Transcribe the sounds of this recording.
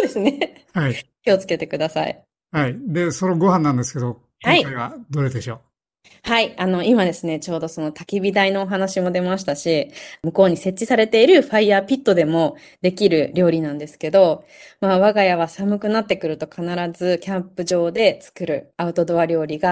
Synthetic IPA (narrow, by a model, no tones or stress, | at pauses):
oːd̪e̞sɨne̞ | haikʲio̞t͡sɨ̥ke̞t̪e̞kɯ̟d̪asa̰ḭ | haid̪e̞soɾeɡo̞ɦãnːãnd̪e̞sɨ̥ke̞d̪o̞ | haiaiβad̪oɾed̪eɕo̞ː | haiano̞imad̪e̞sɨne̞t͡ɕo̞ːd̪o̞so̞no̞t̪akʲibʲid̪aino̞ːɦanaɕimo̞d̪e̞maɕi̥t̪aɕimɯ̟ko̞ːɲ̟ise̞t͡ɕːisaɾe̞t̪e̞iɾɯ̟ɸaiaːpʲit̪ːo̞d̪e̞mo̞ | d̪e̞kʲiɾɯ̟ɾʲjo̞ːɾʲinãnd̪e̞sɨ̥ke̞d̪o̞ | maβaɡajaβ̞asamɯ̟kɯ̟nat̪ːe̞kɯ̟ɾɯ̟t̪o̞kʰanaɾazɨkʲãmpɯ̟ʑo̞ːd̪e̞t͡sɨ̥kɯ̟ɾɯ̟aɯ̟t̪o̞d̪o̞βaɾʲo̞ːɾʲiɡa